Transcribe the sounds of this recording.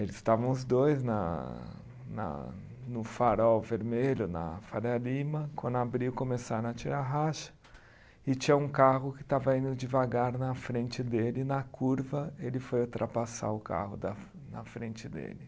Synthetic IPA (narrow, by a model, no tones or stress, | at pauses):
elɪzsst̪avɐ̃w̃ʊzd̪ojznɐ̰ | nɐ̰ | nʊfaɾɔwveɾmeʎʊnɐ̰faɾɐlĩmɐkwɐ̃nd̪ʊabɾiʊkomesaɾɐ̃ɐt͡ʃiɾaɦaʃɐ̥ | ɪt͡ʃĩɲɐũkaɦʊkɪ̥t̪avɐĩnd̪ʊd͡ʒɪvaɡaɾnɐfɾẽnt͡ʃɪd̪elɪnɐkʰuɾvɐelɪfojut̪ɾʔapasa̰ɾʊka̰hʊd̪ɐ | nɐfɾẽnt͡ʃɪd̪ḛlɪ